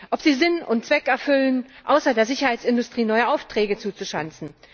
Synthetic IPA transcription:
ʔɔpz̥iːzɪnʊntt͡sv̥ɛkɛɐfʏlənʔaʊsɐdeːɐzɪçɐhaɪt͡sɪndʊstʁ̥iːnɔʏəʔaʊftʁ̥ɛːɡət͡suːt͡suʃant͡sn̩

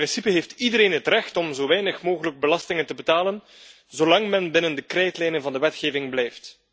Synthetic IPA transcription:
ɪnsipəɦeːftidəɾeːnɦətrɛxtɔmzoːʋɛjnəxmoːɣələɡ̚bəlɑstɪŋəntəbətaːlən | zoːlɑŋmɛnbɪnəndəkrɛjtlɛjnənvɑndəʋɛtxeːvɪŋblɛjft

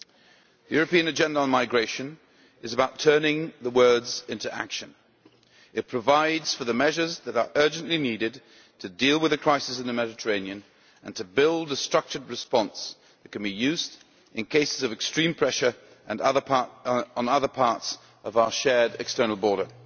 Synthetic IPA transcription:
ðjʊɹɨpĩɨ̃nɨd͡ʒɛ̃ndəə̃nmaɪɡɹeɪʃɨ̃n | ɨzəbaʊtʰɜ˞nɪ̃ŋðəwɜ˞dzɪ̃ntuæ̰kʃɨ̃n | ɨt̚pʰɹ̥ɨvaɪdz̥fə˞ðɨmɛʒə˞zðɨɾə̰˞ʔɜ˞d͡ʒɨ̃nʔliniɾɨd | tʰɨdilˠwɨðɨkʰɹ̥aɪsɨsɨ̃n̩ðɨmɛɾɨtʰə˞ẽɪ̃niɨ̃n | ɨ̃ntʰɨbɪlˠdəstɹ̥ʌk̚t͡ʃə˞d̚ɹɨspɑ̃ns | ðɨt̚kʰɨ̃n̩bijʉzd | ɨ̃nkʰeɪsɨzʌvɨkstɹ̥ĩmpʰɹ̥ɛʃə˞ | ʔɨ̃nʌðə˞ɑɹɾə̃nʌðə˞pʰɑɹts | ʌvaʊə˞ʃɛɹɾɨ̰kstɜ˞nl̩ˠbɔɹɾə˞

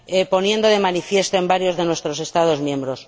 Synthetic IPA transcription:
epo̞nje̞nd̪oðe̞manifje̞st̪oe̞mbaɾjo̞zðe̞nwe̞st̪ɾo̞se̞st̪að̞o̞zmjẽ̞mbɾos

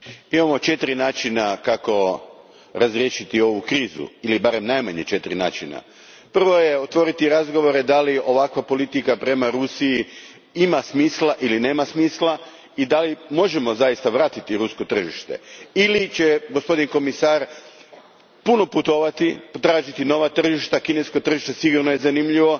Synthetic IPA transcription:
imamo̞t͡ʃe̞t̪ɾinaːt͡ʃinakako̞ | ɾazɾje̞ʃit̪io̞ʋukɾiːzṵilibaɾe̞mnajmaɲet͡ʃe̞t̪ɾina̰ːt͡ʃina̰ | pr̩ʋo̞jeot̪ʋo̞ɾit̪iɾazɡo̞ʋo̞ɾe̞d̪alio̞ʋakʋapo̞lit̪ikapɾe̞maɾusiji | imasmiːslˠaʔiline̞ːmasmiːslˠa | id̪alimo̞ʒe̞mo̞zajist̪aʋɾaːt̪it̪iɾusko̞t̪r̩ʒiʃt̪e̞̰ilit͡ɕe̞ɡospo̞d̪inko̞misaːɾ | puno̞put̪o̞ʋat̪ipt̪ɾaːʒit̪ino̞ʋat̪r̩ʒiʃt̪akine̞skot̪r̩ʒiʃt̪esiɡuɾnojezanimʎiʋo̞

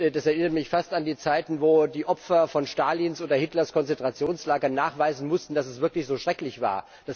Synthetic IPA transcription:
d̥asɛɐʔɪnɐtəmɪçfastandiːt͡saɪtn̩voːdiːʔɔfɐfɔnʃtaːlinsʔoːdɐhɪtlɐskʰɔnt͡sɛntʁ̥at͡sjoːnslaːɡɐnːaːχv̥aɪzn̩mʊstn̩dasɛsv̥ɪɐklɪçz̥oːʃʁ̥ɛklɪçv̥a̰ːɐ | d̥as

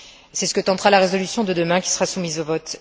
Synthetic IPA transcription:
sɛsə̥kət̪ɑ̃t̪ʁalaʁezɔlysjɔ̃d̪əd̪əmɛ̃kʲi̥səʁasumizovɔt̪

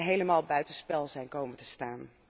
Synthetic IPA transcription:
ɦejləmaːlˠbœɥtənspɛlˠzɛjnkowməntəstaːn

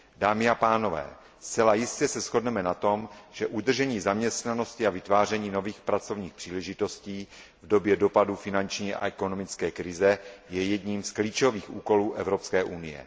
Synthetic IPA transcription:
daːmɪapaːno̞vɛ̰ː | st͡sɛlajɪscɛsɛsxo̞dnɛmɛnat̪o̞mʒ̥ɛʔud̪r̩ʒɛɲiːzamɲɛst̪nano̞scɪavɪt̪vaːr̝ɛɲiːno̞viːxpɾat͡so̞vɲiːxpr̝̥iːlɛʒɪt̪o̞sciː | vdo̞bjɛdo̞padufɪnant͡ʃɲiːʔa̰ʔɛko̞no̞mɪt͡skɛːkɾɪzɛjɛjɛdɲiːmskliːt͡ʃo̞viːxʔṵːko̞luːʔɛvɾo̞pskɛːʔunɪjɛ̰

